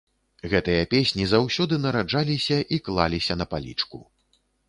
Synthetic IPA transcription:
ɣɛt̪ɨjɐpʲesʲnʲizawsʲɔd̪ɨnɐɾad͡ʐalʲisʲɐʔiklˠalʲisʲɐnɐpalʲḭt͡ʂkṵ

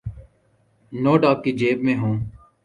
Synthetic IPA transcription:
noːɖɔːkːid͡ʒeːbmẽːɦũː

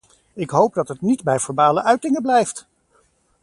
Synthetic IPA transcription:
ɪkɦowp̚dɑtətnitbɛjfɔɹbaːləʔœɥtɪŋəblɛjft

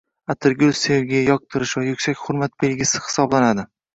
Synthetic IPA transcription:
at̪ʰɪɾɡʲozseɾɡʲejajɒq̚t̪ʰɪɾɪʃvajʊkʲsakʲχʊɾmat̪̚be̞lɡʲɪsɪ̥hɪ̥sɒblanad̪ɪ

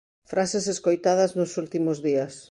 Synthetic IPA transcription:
fɾaseseskojt̪að̞ɐznʊsult̪imʊzðiɐs

